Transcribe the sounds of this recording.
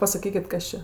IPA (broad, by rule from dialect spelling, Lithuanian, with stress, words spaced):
pɐsɐˈkʲiːkʲɪt ˈkɐs t͡ʃʲɛ